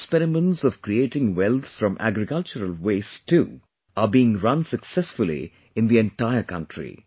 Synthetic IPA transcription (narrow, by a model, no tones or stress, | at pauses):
spɛɾɪmə̃nʈsɔʋkɾieːʈɪ̃ŋwɛlˠt̪fɾɔ̃mʔæ̰ɡɾɪkʌlt͡ʃəɾəlweːsʈʰu | abiɪ̃ŋɾʌ̃nsəksɛsfʊlḭ | ɪ̃nd̪iɛ̃nʈaɪəkʌ̰̃nʈɾḭ